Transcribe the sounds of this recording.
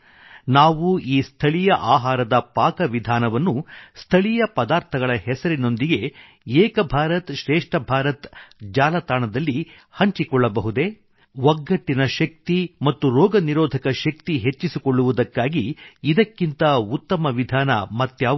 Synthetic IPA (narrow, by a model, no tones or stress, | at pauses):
naːʋuiːst̪ʰɐɭijɐʔaːɦaːɾɐd̪ɐpaːkɐʋid̪ʱaːnɐʋɐnːust̪ʰɐɭijɐpɐd̪aːɾt̪ʰɐɡɐɭɐɦɛsɐɾino̞nd̪iɡe̞ | ɛːkɐbʱaːɾɐt̪ʃɾɛːʂʈɐbʱaːɾɐt̪d͡ʒaːlɐt̪aːɳɐd̪ɐlːi | hɐɲt͡ʃikɔɭːɐbɐɦud̪e̞ | ʋɐɡːɐʈːinɐʃɐk̚t̪imɐt̪ːuɾɔːɡɐniɾɔːd̪ʱɐkɐʃɐk̚t̪iɦe̞t͡ʃːisikɔɭːuʋud̪ɐkːaːɡiːd̪ɐkːint̪ɐut̪ːɐmɐʋid̪ʱaːnɐ̰mɐt̪jaː